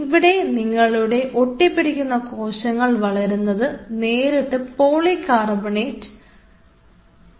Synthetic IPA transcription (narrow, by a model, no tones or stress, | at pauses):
ʋiɽe̞niŋːɐɭuɽe̞ʔo̞ʈːipːiɽikʲːunːɐko̞ːɕɐŋːɐɭʋɐɭɐɾunːɐðɨne̞ːɾeʈːɨpoːɭikaːrɐbɐɳeːtːɨ̥